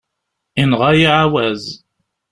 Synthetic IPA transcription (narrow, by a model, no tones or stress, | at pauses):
inʁɑjiʕawæz